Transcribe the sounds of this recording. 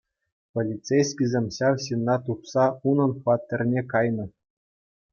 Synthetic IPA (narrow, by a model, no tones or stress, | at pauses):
polʲit͡sejsʲkʲizʲemʲɕɑwɕinːɑt̪upsɑunɤ̆nχʋɑt̪ʲːĕrʲnʲekɑjnɤ̆